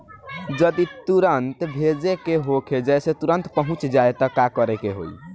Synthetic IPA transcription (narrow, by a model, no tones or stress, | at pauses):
d͡ʒəd̪it̪uɾənt̪bʱed͡ʒekeɦokʰed͡ʒɛjset̪uɾənt̪pəɦũt͡ʃd͡ʒaet̪əkakəɾekeɦo̰j̰